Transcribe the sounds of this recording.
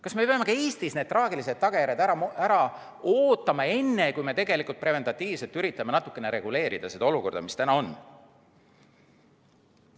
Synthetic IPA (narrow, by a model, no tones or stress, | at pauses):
kɑsme̞pe̞ɑme̞kɑe̞ːst̪isne̞d̪̥̚t̪rɑːɡilis̬e̞d̪̥̚t̪ɑɡ̥ejæɾed̪æɾɑʔæɾɑ | o̞ːt̪ːˑɑmɑe̞nːe̞kujme̞t̪e̞ɡ̥e̞likˑult̪̚pre̞ve̞nt̪ɑt̪ːˑiːv̥se̞lt̪ːyɾit̪ːˑɑmenɑt̪ːˑu̥kːˑe̞ne̞ɾe̞ɡ̥ule̞ːɾid̪̥ɑsed̪ɑo̞luko̞rd̪ɑmist̪ænɑo̞n